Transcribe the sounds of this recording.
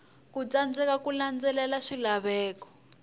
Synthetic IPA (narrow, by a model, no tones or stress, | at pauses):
kut͡sand͡zɛkakuland͡zɛlɛlaʂilaβɛːkɔ̥